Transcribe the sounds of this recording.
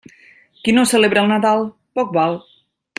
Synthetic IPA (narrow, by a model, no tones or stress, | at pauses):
kinosəleβɾəlˠnaðalˠ | pɔk̚balˠ